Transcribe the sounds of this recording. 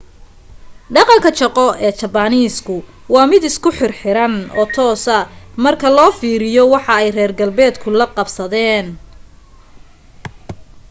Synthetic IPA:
ɖɑqɑŋkʰɐt͡ʃɐqɔɛːt͡ʃɐbaniːskʰʊ | wɑːmɪd̪ɪskʰʊħɪrħɪɾɐnɔːt̪ʰɔːsɐmɐrkʰɐlɔːfiːɾɪjɔwɑħɑɛjrɛːrɡɐlbɛːd̪kʰʊlɐqɑbsɐðɛːn

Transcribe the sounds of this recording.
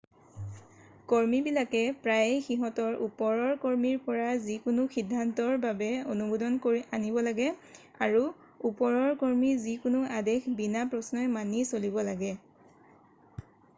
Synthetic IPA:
koɹmibilakɛpɹajxiɦɔtɔɹupɔɹɔɹkoɹmiɹpɔɹazikʊnʊxidʱːantɔɹbabɛonubodɔnkoɹiʔanibɔlaɡɛ | aɹu | upɔɹɔɹkoɹmizikʊnʊadexbinapɹɔsnɔjmanisolibɔlaɡɛ

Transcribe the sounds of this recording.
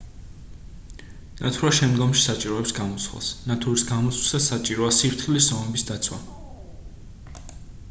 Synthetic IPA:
nat̪ʰɾaʃɛmd̪ɡɔmʃi̥sat͡ʃʼiɾɔɛpsɡamɔswa̰snat̪ʰuɾisɡamɔt̪sʰwisasat͡ʃʼiɾɔasiɾt̪χiliszɔmɛbisd̪at̪sʰwa̰

